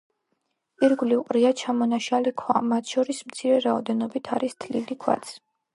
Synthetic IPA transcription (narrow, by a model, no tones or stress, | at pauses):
pʼiɾɡulivqʼɾiat͡ʃʰamɔnaʃalikʰwamat̪ʰʃɔɾismt̪sʰiɾɛɾaɔd̪ɛnɔbit̪ʰaɾist̪ʰlilikʰwa̰t̪sʰ